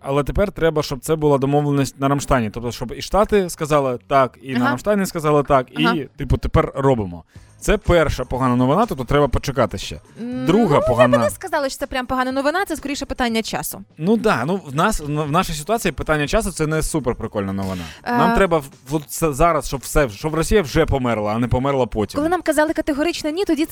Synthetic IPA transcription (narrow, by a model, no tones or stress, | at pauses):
ɐlˠɛt̪epɛrt̪ɾɛbɐʃt͡ʃɔb̚t̪sɛbʊlˠad̪ɔmɔʋlˠenʲisʲt̚ʲnɐɾɐmʃt̪ɑjnʲit̪ɔp̚t̪ɔʃt͡ʃɔbiʃt̪ɑt̪ɪskɐzɑlˠɪt̪ɑkinɐɾɐmʃt̪anʲiskɐzɑlˠɪt̪ɑkit̪ɪpʊt̪epɛrrɔbɪmɔ̰ | t̪sɛpɛrʃɐpɔɦɑnɐnɔʋɪnat̪ɔp̚t̪ɔt̪ɾɛbɐpɔt͡ʃɪkɑt̪ɪʃt͡ʃɛ̰d̪ɾuɦɐpɔɦnɐɪskɐzɑlˠɪʃt̪sɛpɾʲampɔɦɑnɐnɔʋɪnat̪ɛskɔɾijʃɛpɪt̪anʲːɐt͡ʃɑ̰sʊnud̪ɑnuwnɑsnwnɑʃɨjsʲɪt̪ʊat͡sʲijipɪt̪anʲːɐt͡ʃɑsʊt̪sɛnɛsuperpɾɪkɔlʲnɐnɔʋɪnɑ̰namt̪ɾɛbɐɔsɛzɑɾɐsʃɔbwsɛʃt͡ʃɔbrɔsʲijɐwʐɛpɔmɛrlˠɐːnɛpɔmɛrlˠɐpɔtʲikɔlˠɪnamkɐzɑlˠɪkɐt̪eɦɔɾɪt͡ʃnɛnʲit̪ɔdʲi